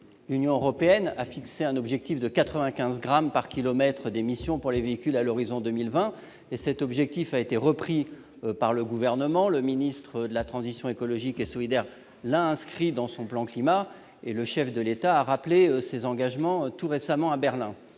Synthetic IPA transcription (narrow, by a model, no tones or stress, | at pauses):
lynjɔ̃øʁɔpeɛna̰fikseɛ̃nɔbʒɛk̚t̪ifd̪əkat̪χəvɛ̃kʲɛ̃zɡʁampaʁkʲilɔmɛt̪χəd̪emisjɔ̃puʁleveikʲylalɔʁizɔ̃d̪ømilvɛ̃ | esɛt̪ɔbʒɛk̚t̪ifaet̪eʁəpχi | paʁləɡuvɛʁnəmɑ̃ləminist̪χəd̪əlat̪χɑ̃zisjɔ̃ekɔlɔʒikesɔlid̪ɛʁ | laɛ̃skχid̪ɑ̃sɔ̃plɑ̃klima | eləʃɛfd̪əlet̪aːʁapleøsezɑ̃ɡaʒmɑ̃t̪uʁesamɑ̃abɛʁlɛ̃